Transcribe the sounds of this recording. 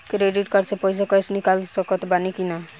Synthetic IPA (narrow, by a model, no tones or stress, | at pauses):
kɾeɖiʈkɔɾt͡ʃʰepɔjsakɔjsnikalsɔkɔt̪banikina